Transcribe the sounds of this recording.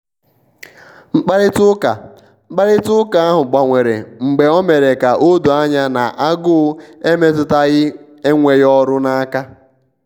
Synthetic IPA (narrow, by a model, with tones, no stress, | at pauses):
ŋ͡m̩˦k͡pa˦ɾɪ˦tʊ˦ka̰˨˦ | k͡pa˦ɾɪ˦tʊ˦ka˨˦a˦ɦʊ˨ɡ͡ba˨ŋʷe˨ɾḛ˨ŋ͡m̩˨ɡ͡be˨ɔ˦me˨ɾe˨ka˨ʔo˦du˨a˦ɲa˦na̰˨ʔa˦ɡʊ˦e˦me˦t̬ʊ˦ta˦ɣɪ˦ | e˦ŋʷe˨jɪ˦ɔ˦ɾʊ˦na˦a˦ka˦